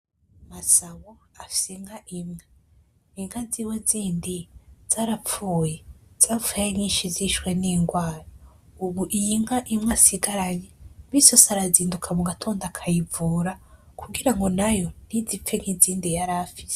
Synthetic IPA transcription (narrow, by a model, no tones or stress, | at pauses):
masaβoafi̥seŋhaʔimŋe | iŋhaziːweziːndiz̥aːɾap͡fuːje̞z̥aːfuejeɲiːnʃiziʃwe̞niːŋɡwaːɾo | uβuʔijiŋhaʔimŋasiɡaɾaɲeβisosaɾaziːndukʰamuɡatʰo̞ːndakʰajivuːɾakuɡiɾaŋɡo̞najo̞n̥izip̪p͡fe̞ŋhiziːndijaɾafi̥se̥